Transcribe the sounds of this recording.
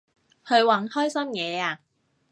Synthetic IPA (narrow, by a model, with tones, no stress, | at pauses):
hɵ˨˧ɥwɐ˨˥nhɔː˥jsɐ˥mjɛː˨˧aː˧